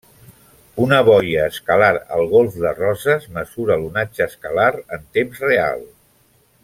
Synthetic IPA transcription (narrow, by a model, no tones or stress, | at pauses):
unəβ̞ɔjəːskəlaɾə̰lˠɣ̞olˠfðərɔzəzməzuɾəlunad͡ʒəːskəlaɾənt̪emzrea̰lˠ